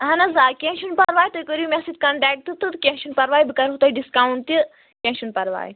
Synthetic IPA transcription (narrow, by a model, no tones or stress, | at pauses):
ɦɐnɐzaːkʲẽʃunpɐɾʋaːjt̪ɨkəɾimʲɛsit̪kɐɳʈɛːk̚ʈ̪ɨt̪ɨt̪kʲɛ̃ʃunpɐɾʋaːjbɨkɐɾɦut̪aːjɖiskawɳt̪i | kʲɛ̃ʃunpɐɾʋa̰ːj